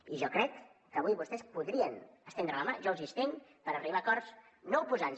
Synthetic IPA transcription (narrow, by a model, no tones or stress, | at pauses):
iʒɔkɾɛkː | əβujβust̪ɛspuðɾiənəst̪end̪ɾələmaʒɔwzist̪eŋpəɾəriβakɔrs | nowpuzan